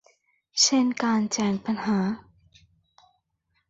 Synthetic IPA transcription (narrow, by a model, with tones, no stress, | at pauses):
se˥˨nkaː˧nt͡ɕɛː˨˩ŋpa˧nhaː˩˦